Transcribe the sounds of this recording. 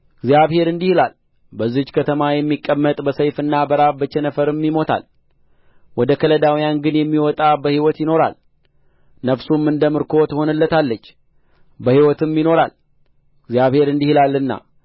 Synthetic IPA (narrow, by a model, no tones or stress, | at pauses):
ɡzjaβhe̞ɾɨnd̪ihlal | bəzːit͡ʃːkʰət̪ʰəmajɛmːikʼːəmːət̪ʼbəsəjfɨnːabəɾabət͡ʃːɛnəfəɾɨmːimo̞t̪ʰa̰l | wɔd̪əkʰələd̪awijanɡɨnjɛmːiwɔt̪ʼabəhiwɔt̪jɪno̞ɾa̰l | nəfsumːɨnd̪əmɨɾkʰo̞t̪ʰəho̞nɨlːət̪ʰalːət͡ʃː | bəhiwɔt̪ɨmjino̞ɾa̰l | ɡzjaβhe̞ɾɨnd̪ihilalːɨnːa̰